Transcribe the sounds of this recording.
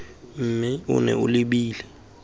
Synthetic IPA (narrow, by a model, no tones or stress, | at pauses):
m̩mɛṵnɛ̰uliɓiːlɛ